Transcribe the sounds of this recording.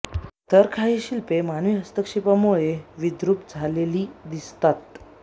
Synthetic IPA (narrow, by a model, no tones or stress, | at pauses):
t̪əɾkʰaɦiɕilpemanʋiːɦəst̪əkʂipamuɭeʋid̪ɾupd͡zʱaleliːd̪ist̪at̪̚